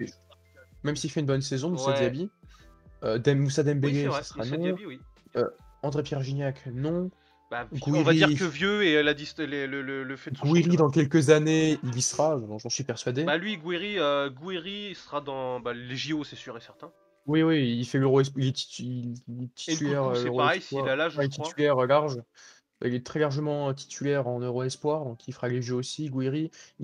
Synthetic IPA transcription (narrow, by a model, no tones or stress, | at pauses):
mɛmsiilfɛynbɔnsezɔ̃msaiabi | ød̪ɛmːusad̪ɛmbeɡesasʁanɔ̃ | øɑ̃d̪ʁepjɛʁʒiɲjaknɔ̃ | baɡww̃iʁvaiiʁkəvjøelad̪ist̪lelələləfɛd̪ɡwiʁid̪ɑ̃kʲɛlkʲəzaneilisəʁaʒʒɑ̃sɥipɛʁsɥad̪ebalɥiɡwiʁiøɡwiʁiːsəʁad̪ɑ̃baleʒiosɛsyʁesɛʁt̪ɛ̃ | wiwiːlfɛløʁoɛs̬pilɛt̪i̥it̪ʰi̥t̪ylɛʁøsɛøʁpaɛʁɛjswalalaʒ̃lɛt̪it̪ʰylɛʁlaʁʒ | b̥a̰ilɛt̪χɛlaʁʒəmɑ̃øt̪ʰi̥t̪ʰylɛʁɑ̃nøʁoɛspwaʁd̪ɔ̃kʰifəʁaleʒøosiɡwiʁi